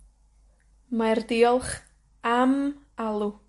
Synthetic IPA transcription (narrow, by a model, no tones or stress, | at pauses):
mardɪɔlˠχ | am | alˠu